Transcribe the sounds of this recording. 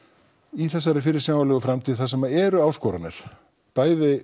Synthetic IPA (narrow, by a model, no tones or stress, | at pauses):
iθɛsːaɾɪfɪɾɪɾ̥sjaːwvalɛɣʏfɾamt̪ʰiðɪθas̬ɛmaɛɾʏaːwskɔːɾana̰ɾ̥ | paːjðɪ